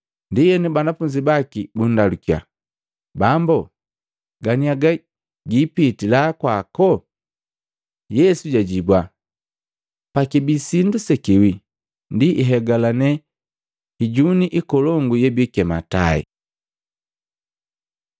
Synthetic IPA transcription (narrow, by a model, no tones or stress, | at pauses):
ndijɛnibanafuɲd͡ʒibakibun̩dalukia̰ | bambɔ | ɡaniaɡa | ɡipitilakwakɔ | jɛsuɟaɟibwa | pakibisindusɛkiwi | ndiʔːɦɛɡalanɛ | hiɟuniʔikɔlɔŋɡujɛbikɛma̰ta̰ɛ̰